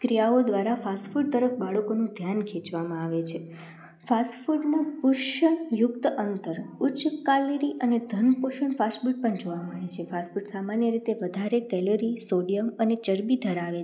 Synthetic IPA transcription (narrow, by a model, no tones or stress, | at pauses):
kɾijaod̪ʋaɾafasfuɖ̚t̪əɾəfbaɭəkonũd̪ʱjankʰẽt͡ʃʋamãaʋet͡ʃʰe | fasʈfuɖnapʊɾʃəjʊkt̪əʔənt̪əɾʊt͡ʃkaliɾiʔəned̪ʱənpoʃəɳfasʈfuʈ̚pəɳd͡ʒoʋaməɭet͡ʃʰefasfuɖsamanjəɾit̪eʋəd̪ʱaɾekɛloɾisoɖijəmənet͡ʃəɾbid̪ʱəɾaʋe